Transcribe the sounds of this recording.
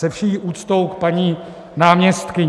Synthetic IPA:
ɛfʃiːʔuːt̪t͡st̪owkpaɲiː | naːmɲɛst̪kɪɲ

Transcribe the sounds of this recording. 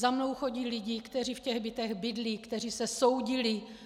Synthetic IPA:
zamno̞wxo̞ɟiːlɪɟɪkt̪ɛr̝ifcɛɣbɪt̪ɛɣbɪdlikt̪ɛr̝iːsɛso̞wɟɪlɪ

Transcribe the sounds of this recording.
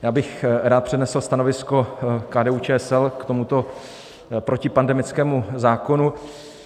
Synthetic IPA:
jaːbɪxɾaːt̪̚pr̝̥ɛdnɛsl̩st̪ano̞vɪsko̞kaːdɛːuːt͡ʃɛːɛsɛlkt̪o̞mut̪o̞ | pɾocɪpandɛmɪt͡skɛːmuzaːko̞nu

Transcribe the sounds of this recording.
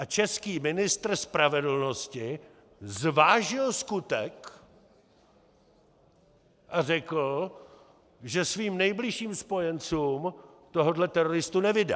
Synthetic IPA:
ʔat͡ʃɛskiːmɪnɪst̪r̩spɾavɛdl̩no̞scɪ | zvaːʒɪlskut̪ɛk | ʔarɛkl̩ | ʒɛsviːmnɛjblɪʃiːmspo̞jɛnt͡suːm | t̪o̞ɦodlɛt̪ɛɾoɾɪst̪unɛvɪda̰

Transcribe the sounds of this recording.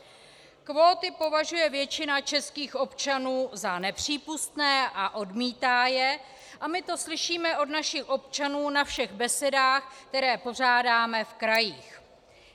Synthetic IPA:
kvo̞ːt̪ɪpo̞vaʒujɛvjɛt͡ʃɪnat͡ʃɛskiːxʔo̞pt͡ʃanuːzanɛpr̝̥iːpust̪nɛːʔaʔo̞dmiːt̪aːjɛ | ʔamɪt̪o̞slɪʃiːmɛʔo̞dnaʃɪxʔo̞pt͡ʃanuːnafʃɛɣbɛsɛdaːxk̚t̪ɛɾɛːpo̞r̝aːdaːmɛfkɾajiːx

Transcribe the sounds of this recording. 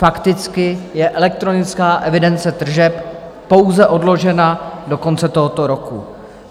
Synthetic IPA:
fakt̪ɪt͡skɪjɛʔɛlɛk̚t̪ɾo̞nɪt͡skaːʔɛvɪdɛnt͡sɛt̪r̩ʒɛppo̞wzɛʔo̞dlo̞ʒɛnado̞ko̞nt͡sɛt̪oɦot̪o̞ɾo̞ku

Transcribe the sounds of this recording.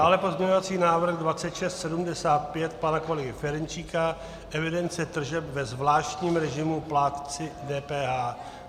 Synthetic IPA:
daːlɛpo̞zmɲɛɲovat͡siːnaːvɾ̩ɣdvat͡sɛt̪ʃɛst̪sɛdumdɛsaːt̪̚pjɛt̪panakolɛɡɪfɛɾɛnt͡ʃiːka | ʔɛvɪdɛnt͡sɛt̪r̩ʒɛpvɛzvlaːʃt̪ɲiːmɾɛʒɪmuplaːt̪t͡sɪdɛːpɛːɦaː

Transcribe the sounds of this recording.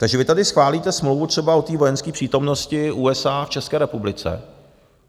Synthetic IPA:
t̪aɡʒɛvɪt̪adɪsxvaːliːt̪ɛsmlowvut̪r̥ɛbao̞t̪iːvo̞jɛnskiːpr̥iːt̪o̞mno̞scɪʔuːɛsaːft͡ʃɛskɛːɾɛpublɪt͡sɛ̰

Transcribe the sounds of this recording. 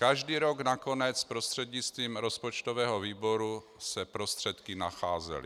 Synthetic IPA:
kaʒdiːɾoɡnako̞nɛt͡spɾost̪r̥ɛd̪ɲɪt͡st̪viːmɾo̞spot͡ʃt̪ovɛːɦoviːbo̞ɾu | sɛpɾo̞st̪r̝̥ɛt̪kɪnaxaːzɛ̰lɪ̰

